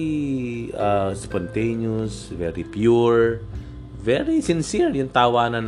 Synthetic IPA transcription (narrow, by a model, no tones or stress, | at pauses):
aspɔnt̪ejnosvɛɾipjuɹ | vɛɾisɪnsiɹjʊŋt̪aːwaːnɐn